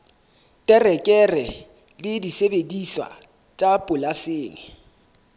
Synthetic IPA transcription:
tʼɛrɛkʼɛrɛ | lɪdisebediswa̰ | t͡ʃʼapʼʊlaseːŋɪ

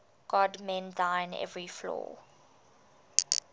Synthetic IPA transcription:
ɡ̥ɔdmɛ̃ndãɪ̃nɛ̰vɹiflɔ̰ː

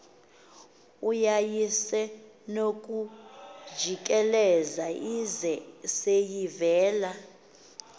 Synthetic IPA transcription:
ujajisɛ | nok̬ʼu̥d͡ʒʱik̬ʼɛlɛzaizɛsejivɛːla

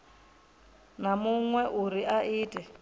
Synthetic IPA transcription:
namuŋwɛʔuɾiʔaʔiːtʼɛ

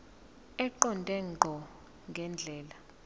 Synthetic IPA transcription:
ɛǃɔndʱʼɛŋ͡ǃʱɔ | ŋɡʱɛnd͡ɮʱɛːla

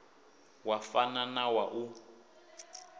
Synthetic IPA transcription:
wafananawaʔu

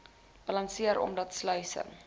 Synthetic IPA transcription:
b̥ɐlɐnsiəɾɔ̰mdɐtslœɥsə̰n

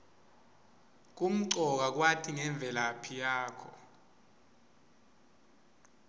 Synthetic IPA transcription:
k̬um̩ǀɔk̬ak̬watʰiŋɛɱb̪vʱɛlapʰijaːkʰɔ

